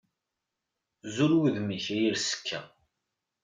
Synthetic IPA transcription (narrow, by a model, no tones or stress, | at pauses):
zuɾwiðmiçæjiɾsə̥kʰːæ̰